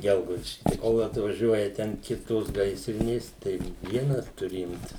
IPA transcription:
ˈɡʲɛlˠɡɐʊdʲɪʃʲkʲɪ tɐɪ ˈkoːlˠ ɐtʋɐˈʒʲuɔjɛ tʲɛn ˈkʲɪtoːs ˈɡɐɪsʲrʲɪnʲeːs ˈtɐɪ ˈʋʲiɛnɐs tʊˈrʲɪ ˈɪmʲtʲɪs

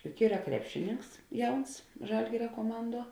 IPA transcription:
jʊk ˈiːrɐ ˈkrʲæːpʲʃʲɪˌnʲɪŋks ˈjɛʊns ˈʒɐlʲɡʲɪrʲɛ kuɔˈmɐnˌduɔ

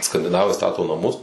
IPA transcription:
skɐnʲdʲɪˈnɑːʋɐɪ ˈstɑːtoː nɐˈmʊs

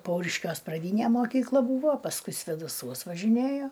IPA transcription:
ˈpɐʊrʲɪʃʲkʲuɔs prɐˈdʲiːnʲeː moːˈkʲiːklˠɐ ˈbuːʋoː pɐsˈkʊɪ sʲʋʲeːdɐˈsuɔs ʋɐʒʲɪˈnʲeːjoː

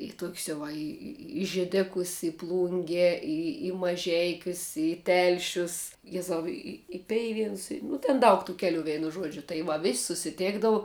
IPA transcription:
ɪ ˈtoːkʲsʲ jɛʊ ˈʋɐ ˈɪ ɪ ɪ ʒʲeːˈdʲæːkʊs ɪ ˈplˠʊŋʲɡʲɛ ˈɪ ɪ mɐˈʒʲɛɪkʲʊs ɪ ˈtʲɛlʲʃʲʊs ˈjæːzɐʊ ɪ ɪ ɪ ˈpʲɛɪʋʲiɛnʊs nʊ tʲɛn ˈdɐʊk tuː ˈkʲæːlʲʊ ˈʋʲeːnʊ ˈʒuɔd͡ʒʲʊ tɐɪ ˈʋɐ ʋʲɪsʲ sʊsʲɪˈtʲeːɡdɐʋʊ

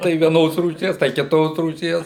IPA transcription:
tɐɪ ʋʲiɛˈnoːs ruːˈʃʲiɛs tɐɪ kʲɪˈtoːs ruːˈʃʲiɛs

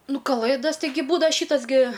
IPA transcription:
ˈnʊ kɐˈlˠɘdɐs tʲɪˈɡʲɪ ˈbuːdɐʋɐ ˈʃʲiːtɐs ɡʲɪ

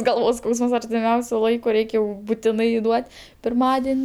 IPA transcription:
ˈɡɐlˠʋoːs ˈskɐʊsəms ɐrʲtʲɪˈmʲɛʊsʲʊ ˈlˠɐɪkʊ ˈrʲɛɪkʲ jɛʊ bʊˈtʲɪnɐɪ ˈduɔtʲ pʲɪrˈmɑːdʲɪnʲ

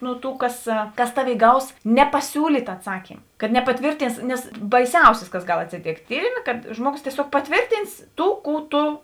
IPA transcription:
nʊ ˈtuː kɐs kɐs ˈtɑːˌʋʲeːɪ ɡɐʊs nʲɛpɐˈsʲuːlʲiːtʲ ɐˈtsɑːkʲiːm kɐt nʲɛpɐˈtʲʋʲiːrʲtʲɪns nʲɛs bɐɪˈsʲɛʊsʲɪs kɐs ˈɡɐlˠ ɐtʲsʲɪˈtʲeːktʲ ˈtʲiːrʲɪmʲeː kɐt ˈʒmuɔˌɡoːs tʲiɛˈsʲoːk pɐˈtʲʋʲeːrʲtʲiːns ˈtuː ˈkuː ˈtʊ

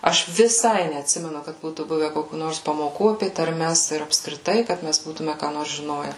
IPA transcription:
ˈɐʃ ʋʲɪˈsɐɪ nʲɛɐtʲˈsʲɪmʲɛnʊ kɐt ˈbuːtuː ˈbʊʋʲɛ ˈkoːkʲuː ˈnoːrs pɐmoːˈkuː ɐpʲeː tɐrʲˈmʲɛs ɪr ɐpskrʲɪˈtɐɪ ˈkɐt ˈmʲæs ˈbuːtʊmʲɛ kɑː ˈnoːrs ʒʲɪˈnoːjɛ

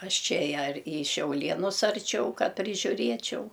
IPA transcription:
ˈɐʃ ˈt͡ʃʲɛ jɛ ɐr iː ʃʲɛʊˈlʲiɛnʊs ɐrʲˈt͡ʃʲɛʊ ˈkɐ pʲrʲɪʒʲʊˈrʲiɛt͡ʃʲɛʊ

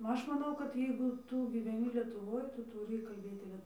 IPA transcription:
ˈɐʃ mɐˈnɐʊ kɐt ˈjɛɪɡʊ ˈtuː ɡʲiːʋʲɛˈnʲɪ lʲiɛtʊˈʋoːj ˈtʊ tʊˈrʲiː kɐlʲˈbʲeːtʲɪ ˈlʲiɛ

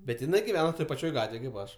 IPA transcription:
bʲɛt jɪˈnɐɪ ɡʲɪˈʋʲæːnɐ toːj pɐˈt͡ʃʲoːj ˈɡɑːtʲʋʲeːj kɐɪp ˈɐʃ

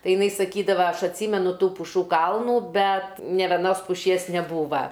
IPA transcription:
tɐɪ ɪˈnɐɪ sɐˈkʲiːdɐʋɐ ˈɐʃ ɐtʲˈsʲiːmʲɛnʊ ˈtuː pʊˈʃuː ˈkɐlˠnuː ˈbʲɛt nʲeː ʋʲɛˈnoːs pʊˈʃʲiɛs nʲɛˈbuːʋɐ

